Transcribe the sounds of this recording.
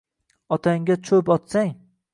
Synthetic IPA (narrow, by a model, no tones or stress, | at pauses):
ɒt̪ʰaŋɡʲat͡ʃʰɵpɒt̪saŋ